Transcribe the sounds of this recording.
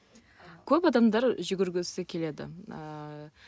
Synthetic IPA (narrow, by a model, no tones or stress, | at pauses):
kʲʰɵpɑd̪ɑmd̪ɑɾʒʏɡʲɪɾɡʲɪsɪkʲʰe̞le̞d̪ɪ̰